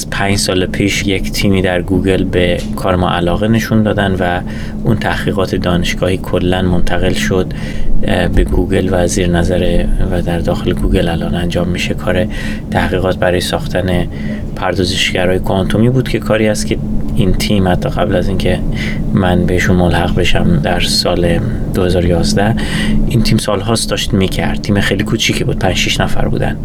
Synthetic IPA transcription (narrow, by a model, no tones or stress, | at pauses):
æz̥pʰæɲd͡ʒsɒːlepʰiːʃje̞cʰt̪ʰiːmiːd̪æɾɡuːɡe̞lbe̞ | kʰɒːɾemɒ̰ʔælɒːɣe̞ne̞ʃund̪ɒːd̪ænd̪væ | unt̪ʰæhɣ̥iːɣɒːt̪ʰe̞d̪ɒːne̞ʃɡ̥ɒːhiːkʰolːænmont̪ʰæɣe̞lʃod̪̥ | be̞ɡuːɡe̞lvæziːɾenæzæɾevæd̪æɾd̪ɒːxe̞leɡuːɡe̞lælʔɒːnænd͡ʒɒːmːiʃe̞kʰɒːɾe̞ | t̪ʰæhɣiːɣɒːt̪̚ʰbæɾɒːjesɒːxt̪ʰæne̞ | pʰæɾd̪ɒːzeʃɡæɾɒːjekʰont̪ʰomiːbuːd̪cʰe̞kʰɒːɾiːæst̪kʰʲe̞int̪ʰiːmhæt̪ʰːɒːɣæblæzincʰe̞ | mænbe̞heʃunmolhæɣbe̞ʃæmd̪æɾsɒːle | d̪̥ohe̞zɒːɾojɒːzd̪æh | ʔint̪ʰiːmsɒːlɦɒːst̪d̪ɒːʃt̪miːcʰæɾd̪̚t̪ʰiːmexejlikʰut͡ʃʰiːcʰebuːd̪̥̚pʰænd͡ʒ̥ʃiʃnæfæ̰ɾbṵːd̪æ̰nd̪